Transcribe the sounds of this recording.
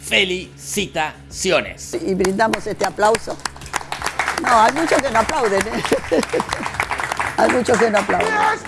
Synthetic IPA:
feli | sit̪a | sjonḛsiβɾĩnd̪amosest̪eaplawso | noajmũt͡ʃoskenoaplawðene | a̰jmut͡ʃoskenoaplawðe

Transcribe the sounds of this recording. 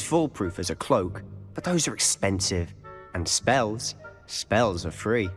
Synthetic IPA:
z̥fʊlˠpʰɹ̥ʉˑfəzəkʰl̥oʊkb̥ʌt̪̚ðoʊzəɹɛkspɛ̃nsɪvə̃nspɛlˠz̥ | spɛlˠzəfɹiː

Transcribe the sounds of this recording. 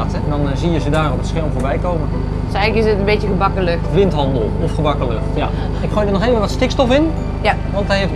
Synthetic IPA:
tɛndɔnziəzədaːrɔpətsxɛlˠmvoːɹbɛjkoːmən | sɛjɣləkɪsətənbetjəɣəbɑkələkʋɪntɦɑndəlˠɔfχəbɑkələkj | ɪkχojdərnɔxeːvənʋɔtstɪkstɔfɪn | ʋɑntɦɛjɦef

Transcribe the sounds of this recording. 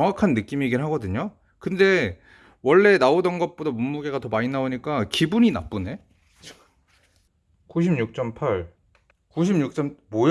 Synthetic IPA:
ʌŋwakʰanːɯk͈imiɡiɭɦaɡʌdɯɲo | kɯnde̞ | wʌɭːe̞naodʌnɡʌt̚p͈odamumːuɡe̞ɡatʌmaɲinaoɲik͈akibuɲina̰p͈une̞ | t͡ɕ | kuɕ̬ʰimɲuk̚t͡ɕ͈ʌmpʰaɭ | kuɕ̬ʰimɲuk̚t͡ɕ͈ʌmmoj

